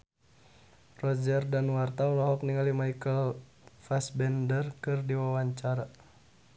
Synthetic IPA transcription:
rɔd͡ʒərdanwart̪aulɔɦɔk̚niŋalimajkəl | fasbɛndərkɨrdiwawaɲt͡ʃaɾa

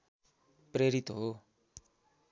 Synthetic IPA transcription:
preɾit̪ɦo

